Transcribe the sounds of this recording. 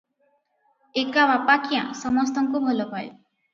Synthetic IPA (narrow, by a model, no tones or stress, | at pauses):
ekaβapakʰijã̰sɔmɔst̪ɔŋkubʱolɔpaj